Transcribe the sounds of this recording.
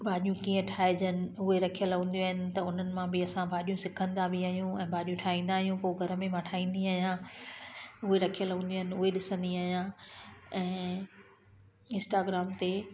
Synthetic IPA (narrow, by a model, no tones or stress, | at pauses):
bʱaːɗijũkiːə̃ʈʰaːed͡ʑənɪ̆ʊɦeɾɐkʰijəlɐɦũːnd̪joaːɦɪnɪ̆t̪ɐʊn̤ənɪ̆mãbʱɪɐsãbʱaːɗijũsɪkʰə̃nd̪abʱɪaːɦijũɛ̃ːbʱaːɗijũʈʰaːĩːn̆d̪aːɦijũpoːɡʱɐɾə̆mẽmãʈʰaːĩːn̆d̪iaːɦijã | ʊɦeɾɐkʰijəlɦũnd̪jaːɦɪnɪ̆ʊɦeɗɪsə̃nd̪iaːɦijã | ɛ̃ː | ɪ̃nsʈaːɡɾaːmt̪e